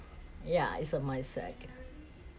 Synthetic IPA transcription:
jæɪsʌmaɪsɛ̰k

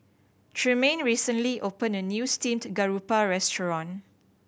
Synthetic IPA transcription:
tʰɹimẽnɹisə̃nliʔopə̃nənjustĩmtɡaɹupaɹɛstəɹɔ̃n

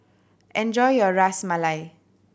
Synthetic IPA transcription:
ẽnd͡ʒɔjjʌɹasmalaj

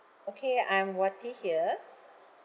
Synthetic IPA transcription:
okʰeãɪ̃mwɔtihiə

